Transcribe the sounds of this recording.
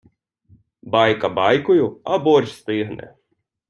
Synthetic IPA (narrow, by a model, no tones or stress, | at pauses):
baːjkɐbaːjkujuɐboːɾʲʃst̪iːɦnɛ̰